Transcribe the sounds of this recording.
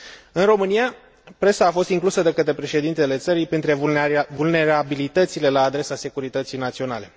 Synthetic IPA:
ɨnro̞mɨnija | pɾe̞saːfo̞st̪iŋklusəd̪ekət̪ɾepɾe̞ʃe̞d̪int̪ele̞t̪səɾijpint̪ɾevulne̞ɾabilit̪ət̪sile̞laːd̪ɾe̞sase̞kuɾit̪ət̪sijnat̪sio̞nale̞

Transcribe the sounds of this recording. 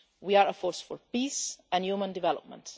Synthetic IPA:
wiaɹəfɔɹsfɔɹpiːsæ̃njumə̃ndɪvɛlɔ̰p̚mə̰̃nt

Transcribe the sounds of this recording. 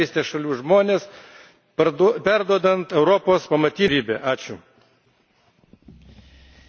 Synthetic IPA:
iːst̪ʲeːsʃɐlʲuːʒmoːnʲeːs | p̪pʲæɾd̪uɔd̪ɐnt̪ɛʊɾɔpoːspɐmɐt̪ʲiːɾʲiːbʲeːʔɑːt͡ʃʲʊ

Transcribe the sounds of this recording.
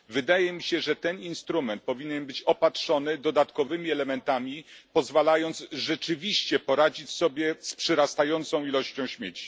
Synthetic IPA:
vɘd̪ajɛmʲiɕɛʐɛt̪ɛninst̪ɾumɛnt̪̚pɔvʲiɲɛnbɘt͡ɕɔpatʂɔnɘd̪ɔd̪at̪kɔvɘmʲiɛlɛmɛnt̪amʲipɔzvalajɔnd̪sʐɛt͡ʂɘvʲiɕt͡ɕɛpɔɾad͡ʑit͡ɕsɔbʲjɛspʂɛɾast̪ajɔnt̪sɔ̃w̃ilɔɕt͡ɕɔ̃w̃ɕmʲjet͡ɕi̥

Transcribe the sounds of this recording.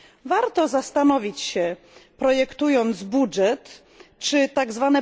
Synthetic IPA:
vaɾt̪ɔzast̪anɔvʲit͡ɕɕɛ | pɾɔjɛkt̪ujɔnt̪zbuʐɛt̪ | t͡ʂɘt̪aɡzvanɛ

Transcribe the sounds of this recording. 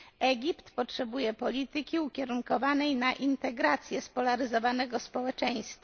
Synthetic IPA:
ɛɡʲipt̪pɔtʂɛbujɛpɔlʲit̪ɘkʲiukʲɛɾuŋkɔvanɛjnaʔint̪ɛɡɾat̪sʲjɛspɔlaɾɘzɔvanɛɡɔspɔwɛt͡ʂɛj̃st̪fa

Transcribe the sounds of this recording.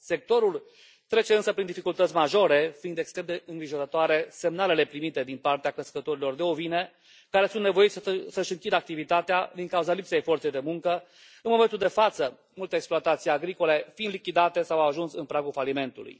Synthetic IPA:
se̞k̚t̪o̞ɾul | t̪ɾe̞t͡ʃe̞ɨnsəpɾind̪ifikult̪ət̪sʲmaʒo̞ɾe̞find̪ekst̪ɾe̞md̪eɨŋɡɾiʒo̞ɾət̪oaɾe̞se̞mnale̞le̞pɾimit̪e̞d̪inpart̪eakɾeskət̪o̞ɾilo̞rd̪e̞ovine̞ | kaɾe̞sunt̪ne̞vo̞jit̪sʲsəʃɨŋkʲid̪əak̚t̪ivit̪at̪ead̪iŋkauzalipsejfo̞rt̪sejd̪e̞muŋkə | ɨnmo̞ment̪uld̪e̞fat̪sə | mult̪əeksploat̪at̪sijaɡɾiko̞le̞find̪likʲid̪at̪e̞sawaʒunsɨnpɾaɡulfalime̞nt̪ulṵj

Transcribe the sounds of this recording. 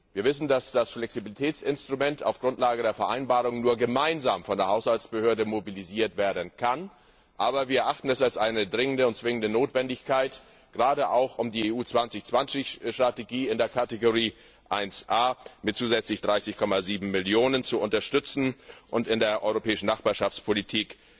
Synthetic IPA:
viːɐvɪsn̩dasd̥asflɛksibilitʰɛːt͡sɪnstʁ̥umɛnta̰ʊfɡ̥ʁʊntlaːɡədeːɐfɛɐʔaɪnbaːʁʊŋnuːɐɡəmaɪnzaːmfɔndeːɐɦaʊshaltt͡sb̥əhøːɐdəmobiliziːɐtv̥eːɐdənkʰan | ʔaːbɐviːɐɛɐʔaχtn̩ɛsalsʔaɪnədʁɪŋəndəʊnt̚t͡sv̥ɪŋəndənoːtv̥ɛndɪçkʰaɪt | ɡ̥ʁaːɾəʔaʊxʊmdiːeːuːt͡sv̥ant͡sɪçt͡sv̥ant͡sɪçʃtʁ̥ateɡiːɪndeːɐkʰateɡoʁ̞iː | ʔaɪnsʔaːmɪt̚t͡suːzɛt͡slɪçd̥ʁaɪsɪçkʰɔmaziːbm̩mɪljoːnənt͡suʊntɐʃtʏt͡sn̩ʔʊntɪndeːɐʔɔʏʁopʰɛːɪʃn̩naχb̥aːɐʃaft͡spʰolitʰiːk

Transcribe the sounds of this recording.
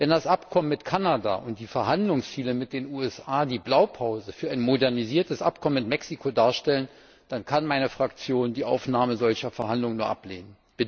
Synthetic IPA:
vɛndasʔapkʰɔmənmɪtkʰanada̰ːʔʊnt̚d̥iːfɛɐɦandlʊŋst͡siːləmɪt̚d̥eːnuːɛsʔaːdiːblaʊpʰaʊzəfyːɐʔaɪnmodɛɐniziːɐtəsʔa̰pkʰɔmənmɪtmɛksikʰodaːɐʃtɛlən | d̥ankʰanmaɪnəfʁ̥akt͡sjoːndiːʔa̰ʊfnaːməzɔlçɐfɛɐɦandlʊŋənuːɐʔa̰pleːnən | b̥ɪt

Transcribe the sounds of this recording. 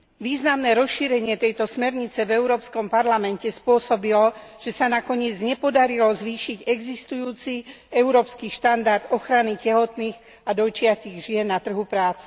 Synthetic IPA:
ʋiːznamnɛːɾɔsʃiːɾɛɲɪɛt̪ɛjt̪ɔsmɛɾɲit͡sɛvɛuɾɔːpskɔmpaɾlamɛncɛspʊɔsɔbilɔʒ̥ɛsanakɔɲɪɛd͡zɲɛpɔd̪aɾilɔzʋiːʃiɟɛɡzist̪ujuːt͡siɛuɾɔːpskiʃt̪and̪aɾd̪̥ɔxɾanicɛɦɔt̪niːɣ | ad̪ɔjt͡ʃɪat̪iɣʒɪɛnːat̪r̩ɦupɾaːt͡sɛ

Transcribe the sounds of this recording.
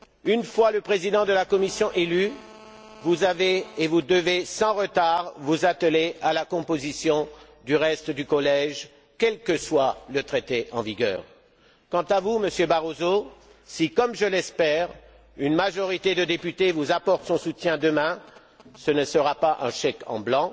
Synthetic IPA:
ynfwaləpχezid̪ɑ̃d̪əlakɔmisjɔ̃ʔely | vuzaveːvud̪əvesɑ̃ʁət̪aʁvuzat̪əleʔalakɔ̃pozisjɔ̃ | d̪yʁɛst̪d̪ykɔlɛʒ | kʲɛlkəswalət̪χet̪eʔɑ̰̃viɡʲœ̰ːʁ | kɑ̃t̪avuməsjøbaʁozo | sikɔmʒəlɛspɛʁ | ynmaʒɔʁit̪ed̪əd̪epyt̪evuzapɔʁt̪sɔ̃sut̪jɛ̃d̪əmɛ̃ | sənəsəʁapaʔɛ̰̃ʃɛkɑ̰̃blɑ̃

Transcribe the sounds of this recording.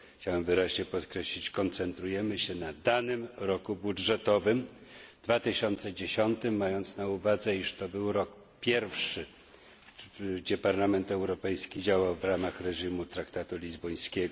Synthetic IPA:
xt͡ɕawɛmvɘɾaʑɲɛpɔt̪kɾɛɕlʲit͡ɕkɔnt̪sɛnt̪ɾujɛmɘɕɛnad̪anɘmɾɔkubudʐɛt̪ɔvɘmd̪vat̪ɘɕɔnt̪sɛd͡ʑeɕɔnt̪ɘmːajɔnt̪snauvad̪zɛiʂt̪ɔbɘwɾɔk | pʲjɛɾfʂɘ | ɡd͡ʑɛpaɾlamɛnt̪ɛwɾɔpɛjskʲid͡ʑawawvɾamaxɾɛʐimut̪ɾakt̪at̪ulʲizbɔj̃skʲɛɡɔ

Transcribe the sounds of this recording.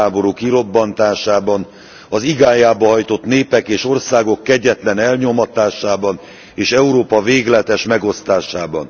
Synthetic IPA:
aːbo̞ɾukiɾo̞bːɒnt̪aːʃaːbɒn | ɒziɡaːjaːbɒɦɒjt̪o̞t̪neːpɛkeːʃo̞rsaːɡo̞kːɛɟːɛt̪lɛnɛlɲo̞mɒt̪aːʃaːbɒn | eːʃɛuɾoːpɒveːɡlɛt̪ɛʃmɛɡo̞st̪aːʃaːbɒ̰n

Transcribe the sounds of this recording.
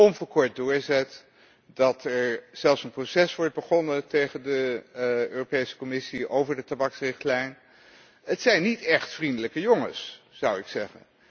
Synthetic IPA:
ɔnvəːɹkɔɹt̚dʊːɹzɛt | dɑtɛɹz̥ɛlˠfsənprosɛsʋɔɹd̚bəχɔnətejχəndə | øːropejsə̥kɔmɪsiowvəɹdətabɑksrɪχtlɛjn | ətsɛjnːitɛχtfrindələkəjɔŋə̰sz̥ɑwɪksɛχə̰n

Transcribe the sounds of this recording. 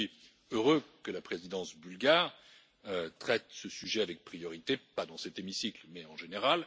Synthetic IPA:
i | øʁøkəlapχezid̪ɑ̃sbylɡaʁ | øt̪χɛt̪səsyʒɛavɛk̚pχijɔʁit̪epad̪ɑ̃sɛt̪emisiklmɛɑ̃ʒeneʁal

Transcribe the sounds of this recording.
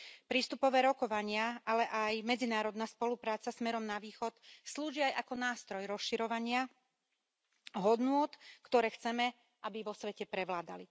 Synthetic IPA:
pɾiːst̪upɔʋɛːɾɔkɔʋaɲɪaʔalɛʔajmɛd͡zinaːɾɔd̪naspɔlupɾaːt͡sasmɛɾɔmnaʋiːxɔt̪sluːʒiajʔakɔnaːst̪ɾɔjɾɔsʃiɾɔʋaɲɪa | ɦɔd̪nʊɔt̪kt̪ɔɾɛːxt͡sɛmɛ | ʔabiʋɔsʋɛcɛpɾɛʋlaːd̪a̰li

